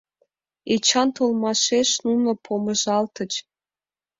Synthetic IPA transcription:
et͡ɕɑnt̪olmɑʃeʃnunŏpʰoməʒɑlt̪ə̆t͡ɕ

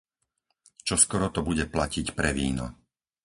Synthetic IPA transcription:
t͡ʃɔskɔɾɔt̪ɔbuɟɛplacicpɾɛʋḭːnɔ̰

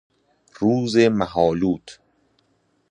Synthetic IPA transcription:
ɾuːzemæɦɒːluːt̪ʰ

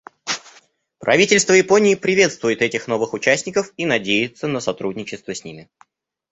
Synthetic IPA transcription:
pɾɐ̰vʲitʲɪlʲst̪vəjɪpo̞nʲɪːpɾʲɪvʲe̞t̪st̪vʊjɪt̪ɛtʲɪxno̞vɨxʊt͡ɕæsʲnʲɪkəfinɐdʲejɪt̪sənəsɐt̪ɾudʲnʲɪt͡ɕɪst̪vəsʲnʲimʲɪ

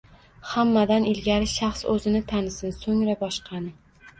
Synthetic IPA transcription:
hamːad̪anɪlɡʲaɾɪʃaχsɵzɪnɪt̪ʰanɪsɪnsɵŋɾabɒʃqʰɑnɪ

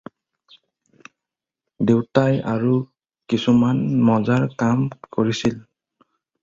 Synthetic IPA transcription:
dewtajaɹu | kisumanmɔzaɹkamkoɹisil

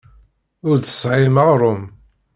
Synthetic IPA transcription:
ʊɾθə̥sʕɪməʁɾˤʊm

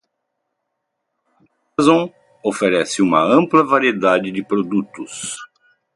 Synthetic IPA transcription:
azõ | ofeɾɛsɪũmɐɐ̃mplɐvaɾied̪ad͡ʒɪd͡ʒɪpɾod̪ut̪ʊs

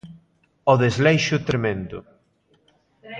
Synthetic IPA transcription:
ɔðezlejʃʊt̪ɾemẽnd̪ʊ̰

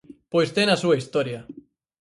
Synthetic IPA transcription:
pojst̪enasuaist̪oɾja

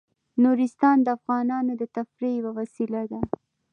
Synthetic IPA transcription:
nuɾist̪ɑnd̪əafɣɑnɑnod̪ət̪afɾejawawasilad̪a

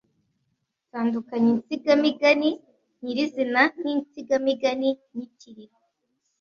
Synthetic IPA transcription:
taːndukaɲint͡siɡamiɡani | ɲiɾizinanint͡siɡamiɡaniɲiciɾiɾo

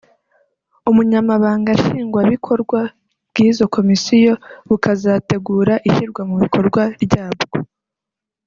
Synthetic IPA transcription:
umuɲamaβaːŋɡaʃiːŋɡwaβikʰo̞ɾɡwa | β̥ɡiːzo̞kʰo̞misijo̞βukazate̞ɡuːɾaʔiçiɾɡwamuβikʰo̞ɾɡwaɾɟaːbɡo

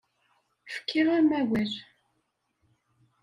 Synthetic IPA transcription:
fə̥kːiʁamæwæɾ

